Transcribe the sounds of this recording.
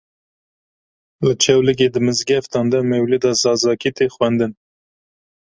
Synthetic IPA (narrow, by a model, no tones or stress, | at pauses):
lɨt͡ʃʰɛwlɨɡ̬eːd̪ɨmɨzɡɛft̪ɑːnd̪ɛmɛwled̪ɑzɑːzɑːkit̪exwɛnd̪ɨn